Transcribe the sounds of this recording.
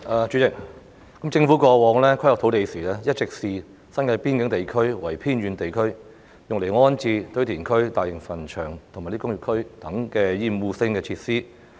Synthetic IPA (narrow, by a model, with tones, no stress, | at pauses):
ʔaː˨˩t͡ʃyː˨˥t͡sɪ˨˩k̚ | kɐ˨˥mt͡sɪ˧ŋfu˨˥kɔː˧wɔː˨˧ŋlɛː˥kʰɐ˥jlɔ˨kt̪ʰwt̪e˨jsiː˨˩lɛː˥jɐ˥t̚t͡sɪ˨k̚siː˨ | sɐ˥nkɐ˧piː˥nkɪ˨˥ŋt̪e˨jkʰɵ˥ɥwɐ˨˩jpʰiː˥nɥyː˨˧nt̪e˨jkʰɵ˥ɥ | jʊ˨ŋle˨˩jŋɔː˥nt͡siː˧t̪ɵ˧˥ɥt̪ʰiː˨˩nkʰɵ˥ɥt̪aː˨jɪ˨˩ŋfɐ˨˩nt͡ʃʰœː˨˩ŋt̪ʰma˨˩liː˥kʊ˥ŋjy˨kʰɵ˥ɥt̪ɐ˨˥ŋkɛː˧jiː˧mwuː˨˧sɪ˧ŋkɛː˧t͡sʰiː˧t̚siː˥